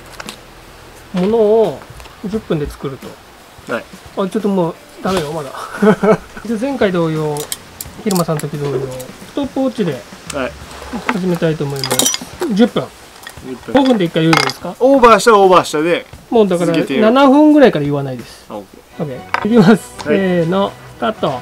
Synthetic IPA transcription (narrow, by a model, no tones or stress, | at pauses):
mo̞no̞ːd͡ʑɨpːɯ̟̃nd̪e̞t͡sɨ̥kɯ̟ɾɯ̟t̪o̞ | at͡ɕo̞t̪ːomoː | d̪ame̞jo̞mad̪a | it͡ɕozẽ̞ŋkaid̪o̞ːjoː | çiɾɯ̟masãnot̪okʲid̪o̞ːjo̞ːst̪opːoːt͡ɕid̪e̞ | haʑime̞t̪ait̪o̞ːmo̞imasd͡ʑɯpːɯ̟̃ŋ | ɡõɸɯ̃nd̪e̞ikːaiɯːɾɯ̃nd̪esɨ̥kaobaɕt̪aoːbaɕt̪ad̪emoːd̪akaɾananaɸɯ̟̃ŋɡɯ̟ɾaikaɾajɯ̟βanaid̪e̞sɨ̥ | oɡeikʲimasɨ̥enok̪at̪ːa